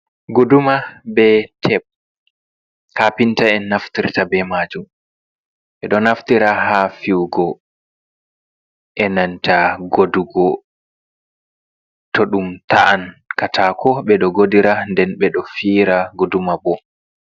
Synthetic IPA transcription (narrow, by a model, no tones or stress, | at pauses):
ɡodumabɛtʰɛɓ̚ | hapintaɛnːaftiɾtabɛmaːd͡ʒum | ɓɛɗɔnaftiɾaɦafiwɡɔ | ʔɛnantaɡoduɡɔ | tɔɗumtaʔankatakʰɔɓɛɗɔɡodiɾandɛnɓɛɗɔfiːɾaɡodumabɔ